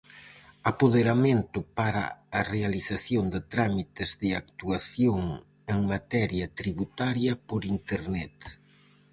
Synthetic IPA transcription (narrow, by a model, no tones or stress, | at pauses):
apoðeɾamẽnt̪ʊpaɾa̰ːrealiθaθjoŋd̪ɪt̪ɾamit̪ɪzðɪak̚t̪uaθjoŋ | eŋmat̪ɛɾjɐt̪ɾiβut̪aɾjɐpoɾint̪eɾnɛt̪